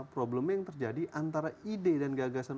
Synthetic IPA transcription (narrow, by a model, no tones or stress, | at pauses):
pɾobləmjaŋt̪ərd͡ʒadiʔant̪aɾaidedanɡaɡasan